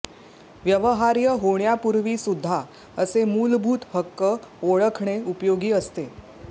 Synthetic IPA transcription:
ʋjəʋəɦaɾjəɦoɳjapuɾʋiːsud̪ʱːa | əsemuːlbʱuːt̪həkːəoɭəkʰɳeupjoɡiːəst̪e

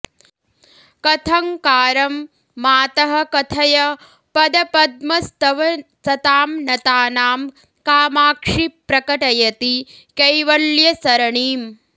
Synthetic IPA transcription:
kɐt̪ʰɐŋkaːɾɐmː | aːt̪ɐɦɐ̆kɐt̪ʰɐjɐ | pɐd̪ɐpɐd̪̚mɐst̪ɐʋɐt̪ɐt̪aːmnɐt̪aːnaːm | kaːmaːkʂipɾɐkɐʈɐjɐt̪i | kɐjʋɐljɐsɐɾɐɳiːm

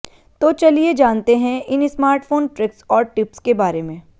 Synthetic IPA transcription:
t̪oːt͡ʃɐlied͡ʒaːnt̪eɦɛ̃ʔɪnɪsmaːɾʈfʰoːnʈɾɪksɔːɾʈɪpskebaːɾemẽ

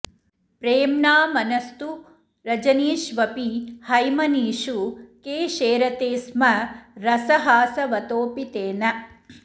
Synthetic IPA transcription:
pɾeːmnaːmɐnɐst̪u | ɾɐd͡ʒɐniːʃʋɐpihɐjmɐniːʃukeːʃeːɾɐt̪eːsmɐɾɐsɐɦaːsɐʋɐt̪oːpit̪eːnɐ

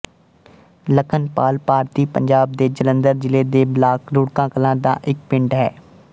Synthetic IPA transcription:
ləkʰənpaːlpaːɾt̪iːpə̰ɲd͡ʒaːb̚d̪eːd͡ʒələ̃nd̪əɾd͡ʒɪleːd̪eːblaːkʰɾʊɽkãːkəlãːd̪a̰ːʔɪk̚pɪ̃ɳɖɦɛ̰ː

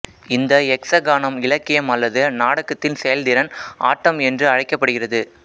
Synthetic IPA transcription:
ɪnd̪ɐɛksɐɡaːnɐmɪlɐkːɪjɐmɐlːɐðɯnaːɽɐkːɐt̪ːɪnsɛjɐld̪ɪɾɐnʔa̰ːʈːɐmɛndrɯɐɻɐɪkːɐpːɐɽɯɣɪrɐðɯ

